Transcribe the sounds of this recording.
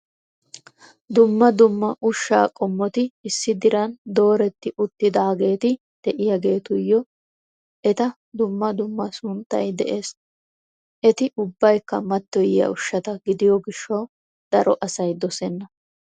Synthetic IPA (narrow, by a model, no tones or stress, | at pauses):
d̪ʊmːɐd̪ʊmːɐʔʊʃːa̰ːkʼɔmːɔt̪ɪɪsːɪd̪ɪɾɐnd̪o̞ːɾɛt̪ːɪʔʊt̪ːɪd̪aːɡe̞ːt̪ɪ | d̪̥ɛʔɪjaɡe̞ːt̪ʊjːɔ | ʔɛt̪ɐ | d̪ʊmːɐd̪ʊmːɐsʊnt̪ːɐ̰jd̪ɛʔeːs | ʔɛt̪ɪʔʊbːɐjkːɐmɐt̪ːɔjɪjɐ̰ʊʃːɐt̪ɐɡɪd̪ɪjɔɡɪʃːɐw | d̪̥ɐɾɔʔɐsɐjd̪ɔsɛnːɐ